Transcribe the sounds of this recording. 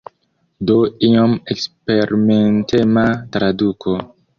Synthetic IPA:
doiomekspe̞ɾimentematɾadukʰo

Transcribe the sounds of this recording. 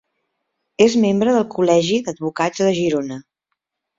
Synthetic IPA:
ezmembɾəðəlˠkulɛʒiðəd̪̚βukad͡zðəʒiɾonə

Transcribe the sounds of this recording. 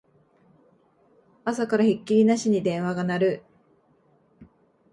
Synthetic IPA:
asakaɾaçikʲːiɾʲinaɕiɲ̟id̪ẽ̞ɰ̃βaɡanaɾɯ̟

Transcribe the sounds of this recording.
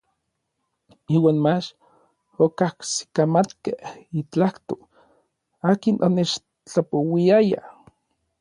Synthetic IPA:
iːwaːnmat͡ʃ | okahksi̥kamat̪kehit͡ɬaht̪o | aːkinʔonet͡ʃ | t͡ɬapowiaja̰

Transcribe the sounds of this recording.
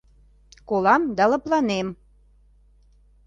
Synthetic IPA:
kolɑmd̪ɑlɤ̆plɑnem

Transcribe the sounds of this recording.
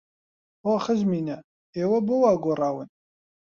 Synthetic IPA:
hoːxɨzmiːnɐ | eːwɐbowaːɡoːrˤɑːwɨn

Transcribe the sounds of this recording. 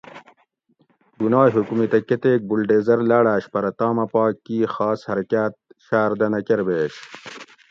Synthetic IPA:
ɡunɑːɦukumit̪ɐket̪eːk̚bulɖeːzɐɾlaːɽaːɕpɐɾɐt̪ɑːmɐpɑːkːiːxɑːshɐɾɐkaːt̪̚ɕaːɾd̪ɐnɐkeɾbeːɕ

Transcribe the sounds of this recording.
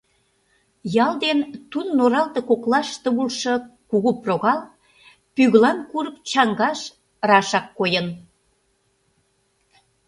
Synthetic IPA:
jɑld̪ent̪unnoɾɑlt̪ɤ̆koklɑʃt̪əβulʃɤ̆kuɣuproɣɑl | pyɣlɑnkuɾəp̚t͡ɕɑŋɡɑʃ | rɑʃɑkːojən

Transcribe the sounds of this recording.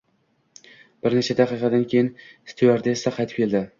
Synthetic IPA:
b̥ɪɾnet͡ʃʰad̪aqɨqɑd̪ankʲʰejɪnst̪ʰuaɾd̪aesaqʰɑjt̪ɪ̥p̚kʰʲe̞ld̪ɪ

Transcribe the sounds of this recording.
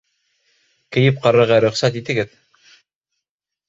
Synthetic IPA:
kɘ̆jɘp̚qɑɾɤ̆ɾʁɑɾɵ̆χsæt̪it̪ɘ̆ɡɘð

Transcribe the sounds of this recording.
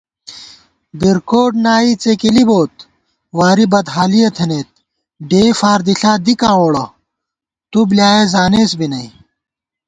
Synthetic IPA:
biɾkoːʈnaːit͡sekiliboːt̪̚ | waːɾibɐd̪ɦaːlijɐt̪ʰeneːt̪̚ | ɖeːfaːɾd̪iɬaːd̪ikãːoːɽɐ | t̪ubljaːezaːneːsbinɐi

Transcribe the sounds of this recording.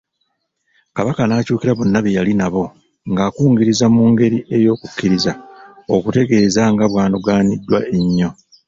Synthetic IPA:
kaβakanaːcuːkiɾaβonːaβejalinaβo̞ | ŋɡaːkuːŋɡiɾizamuːŋɡe̞ɾiʔe̞jo̞ːkukːiɾizaokute̞ɡe̞ːzaŋɡaβwaːnuɡaːnidːwaʔeɲːo̞

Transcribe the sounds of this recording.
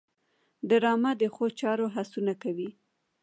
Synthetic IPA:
d̪əɾɑmad̪əxot͡ʃɑɾoɦasunakawi

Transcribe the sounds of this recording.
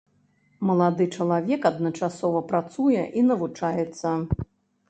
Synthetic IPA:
mɐlˠad̪ɨt͡ʂɐlˠavʲɛkɐd̪nɐt͡ʂasɔvɐpɾat̪sujɛʔinɐvut͡ʂajɛt̪sːɐ

